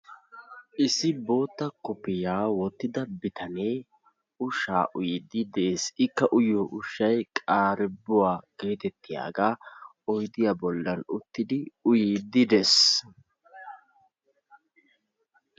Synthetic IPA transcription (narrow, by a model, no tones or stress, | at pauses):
ʔɪsɪbo̞ːt̪ːɐkʊpːɪjaːwɔt̪ːɪd̪ɐbɪt̪ɐneː | ʊʃa̰ːʔʊjɪd̪ɪd̪eːsɪkːɐʔʊjoːʔʊʃːɐjkʼaːɾɪbʊwaːɡ̥eːt̪ɛt̪ːɪja̰ːɡaː | ɔjd̪ɪjabɔlːɐnʊt̪ːɪd̪ɪʊjiːd̪ɪd̪es